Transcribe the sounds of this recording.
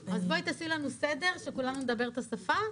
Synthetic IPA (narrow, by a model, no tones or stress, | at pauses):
azbo̞it̪asilanused̪e̞ʁʃe̞kulanumed̪abe̞ʁt̪asafa